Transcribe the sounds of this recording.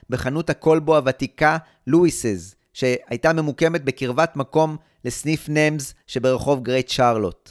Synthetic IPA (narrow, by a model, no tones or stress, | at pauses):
be̞χanuthako̞lboavatika | luisez | ʃe̞ajtamemuke̞met̚be̞kiʁvatmako̞m | le̞snifnemzʃe̞be̞ʁeχo̞vɡʁejtʃaʁlo̞̰t